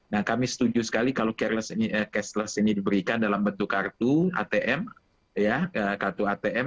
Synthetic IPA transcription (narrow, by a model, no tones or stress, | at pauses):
nahkamisə̥t̪ud͡ʒusə̥kalikalokɛrləsiniʔəkɛslasinidibəɾikandalambənt̪ukart̪ua̰t̪eʔɛm | jaəkart̪uat̪eʔɛ